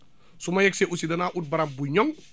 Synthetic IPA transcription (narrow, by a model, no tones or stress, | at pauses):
sumajɛkseʔusidɐnaːʔut̚bɐɾambuɲɔŋ